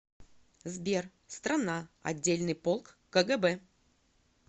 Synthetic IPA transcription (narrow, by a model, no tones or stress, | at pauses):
zbʲer | st̪ɾɐnaɐ̰dʲːelʲnɨjpolˠkːəɡɛbɛ